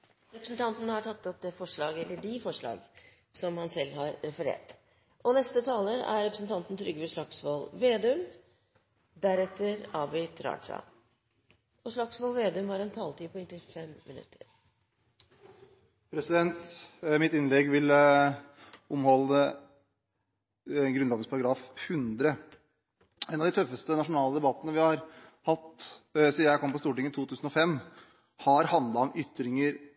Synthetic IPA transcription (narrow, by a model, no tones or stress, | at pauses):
ɾɛpɾəsn̩t̪ʰɑnt̪nhɑʈʰɑt̪ːɔp̚d̪ɛːfɔʂɭɑːɡəɛlːəɖɪfɔʂɭɑ̰ːɡ | sɔmhɑnsɛlːhɑɾɾɛfəɾḛːʈ | ʔɔnɛst̪ət̪ʰɑːləɾæ̰ɾɾɛpɾəsn̩t̪ʰɑnt̪n̩t̪ʰɾʏɡːəʋɛʂɭɑksʋoːlʋeːd̪ʉm | d̪æɾɛt̪ːəɾɑːbɪt̪ʰɾɑ̰ːʂɑ̰ | ɔʂɭɑksʋoːlʋeːd̪ʉmhɑɾɛnt̪ʰɑːlt̪ʰiːpʰɔɪnt̪ɪfɛmmːɪnʉ̰t̪ʰːəɾ | pʰɾɛsɪd̪ɛnt̪mɪt̪ɪnlɛɡʋɪl | ʊmhɔlːə | nɡɾʉnɑːɡəspʰɑɾɑɡɾɑːfhʉnd̪ɾə | ɛnɑʋd̪ɪt̪œfːəst̪ənɑʂʊnɑːləd̪ɛbɑt̪ːənəʋɪhɑɾhɑt̪ːsiːjæɪkʰɔmpɔst̪uːʈɪŋːət̪ʰuːt̪ʰʉːsn̩ɔfɛm | hɑɾhɑnd̪lɑɔmʏt̪ːɾɪŋəɾ